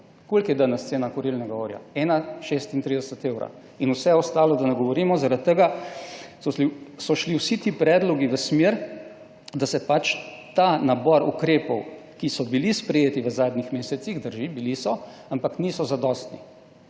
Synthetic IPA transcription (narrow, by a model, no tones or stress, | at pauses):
kolkjɛd̪anɛst̪seːnakɔɾilnɛɡaoɾja̰ɛːnaʃeːst̪int̪ɾid̪əsət̪eːwɾa̰ | inusɛɛɔst̪aːlɔd̪anɛɡɔʋɔɾiːmɔzaɾat̪ːəɡa | ɔisɔʃliwsit̪iːpɾɛːd̪lɔɡiʋəsmeɾ | d̪asɛpat͡ʃt̪anabɔɾṵkɾeːpɔwkisɔbilispɾɛjeːt̪iʋəzaːd̪nixmeːsɛt̪sixd̪əɾʒibilisɔampaknisɔzad̪ɔst̪nḭ